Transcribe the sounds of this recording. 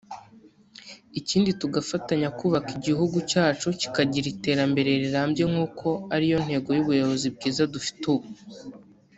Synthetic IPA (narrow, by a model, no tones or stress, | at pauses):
iciːndituɡafataɲakuːβakiɟiɦuɡucaːt͡ʃoci̥kaɟiɾite̞ːɾambe̞ɾe̞ɾiɾaːmbje̞ŋuːkʰo̞aɾijo̞n̥he̞ːɡo̞juβujo̞βo̞zib̚ɡiːzadufi̥tuβu